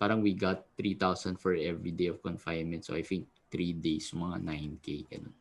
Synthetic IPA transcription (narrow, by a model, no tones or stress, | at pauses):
paːɾɐŋwiɡat̪ːɹit̪awsɐnd̪fɔɹʔɛvɹid̪ejɔv̥kɔnfajnmɛnt̪so̰ʔajt̪ɪŋk̚t̪ɾid̪ejsjʊmɐŋa̰najnkejɡɐ̰non